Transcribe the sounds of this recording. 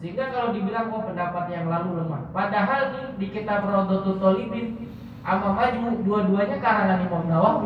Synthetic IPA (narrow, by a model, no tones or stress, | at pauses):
səiŋɡakalowdibilaŋbapəndapat̪̚jaŋlaluləma̰padaɦalt̪udikit̪aprɔd̪ɔt̪ɔt̪ɔlibɪn | ʔamamad͡ʒuduaduaɲakaɾananipɔmdawa